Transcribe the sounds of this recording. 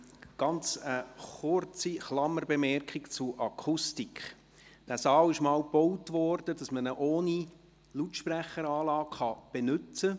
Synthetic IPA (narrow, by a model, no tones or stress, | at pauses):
ɡ̥ɑnt͡səχʊrt͡siχlɑmərbɛmɛɾkχikt͡sʊʔɑkʰʊstikχ | d̥æsɑːwɪʃmɑːwbɔwtvɔrd̥əd̥ɑsmənəʔoːni | lutʃpræχːəɾɑːlɑːkχɑb̥enʏt͡sə